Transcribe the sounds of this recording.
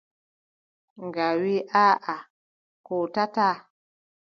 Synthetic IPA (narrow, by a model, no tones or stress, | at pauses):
ŋɡawiʔaʔa | kotata